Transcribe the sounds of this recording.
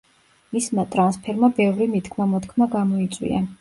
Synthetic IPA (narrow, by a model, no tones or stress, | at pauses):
mismat̪ʼɾanspʰɛɾmabɛvɾimit̪kʰmamɔt̪kʰmaɡamɔit̪sʼwḭa̰